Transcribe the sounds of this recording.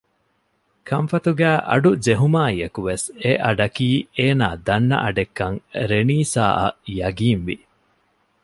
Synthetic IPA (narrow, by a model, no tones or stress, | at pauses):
kʰɐmfɐt̪uɡæːʔɐ̰ɖud͡ʒeɦumaːiɐkuʋeseʔɐɖɐkiːeːnaːd̪ɐnːɐ̰ʔɐɖekːɐŋɾeniːsa̰ːʔɐ̰jɐɡiːnʋi